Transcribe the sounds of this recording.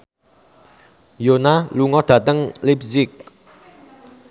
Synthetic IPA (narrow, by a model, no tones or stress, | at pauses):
jonaluŋɔd̪̥ä̤t̪əŋlipsɪk̚